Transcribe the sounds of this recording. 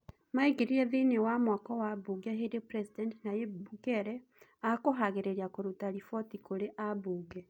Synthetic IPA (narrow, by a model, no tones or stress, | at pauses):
maiɡeɾiɾeðinewamwakɔwaβuɡɛɦeɾepɾesidɛntenajebukɛɾɛ | akoɦaɣeɾeɾjakoɾutaɾifɔtikoɾeʔaβuːɡɛ